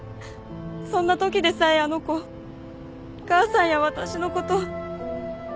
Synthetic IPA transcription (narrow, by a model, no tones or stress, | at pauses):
sõ̞nːat̪o̞kʲid̪e̞saiano̞ko̞ | kaːsãɰ̃jaβat̪aɕino̞ko̞t̪o̞